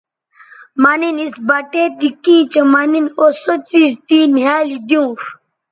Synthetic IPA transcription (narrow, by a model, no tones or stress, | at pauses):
maninisbaʈet̪ikĩːt͡ɕɐmaninosot͡sist̪inɦaːlid̪jũf